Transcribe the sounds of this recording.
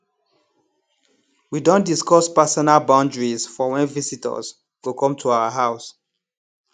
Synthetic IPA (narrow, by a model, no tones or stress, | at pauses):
widõndiskɔspasɔnalbãʊ̃ndɹizfɔwɛ̃nvisitə̰z | ɡukʰɔ̃mtʰuaʊəɦaʊs